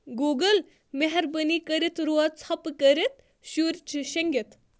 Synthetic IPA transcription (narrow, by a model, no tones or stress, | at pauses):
ɡuːɡəl | meɦɐɾbənikəɾit̪ɾoɐt͡sʰɐpkəɾit̪ | ʃuɾt͡ʃʰiʃɐŋɡit̪